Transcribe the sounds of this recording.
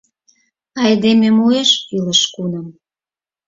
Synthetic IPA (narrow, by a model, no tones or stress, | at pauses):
ɑjd̪ememueʃilə̆ʃkunə̆m